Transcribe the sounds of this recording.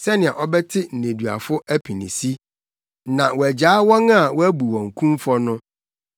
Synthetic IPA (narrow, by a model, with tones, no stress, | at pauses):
sɛ˦nɪ̃˨a˨ʔɔ˦bɛ˦tʰɪ˦n̩˨nẽ˨dɥa̰˨fʊ˦ʔæ˦pʰi˨nḭ̃˨si˦ | nã˨wɔ˨æ˨d͡ʑaː˨˦wɔ̃˦ŋ˦a˨wɔ˦æ˦bu˨wɔ̃˨ŋ̩˨kʰũ˦mfɔ˦nʊ̃˦